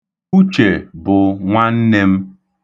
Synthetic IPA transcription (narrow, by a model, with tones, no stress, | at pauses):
u˦t͡ʃe˨bʊ˨ŋʷa˦n̩˦ne˦m̩˦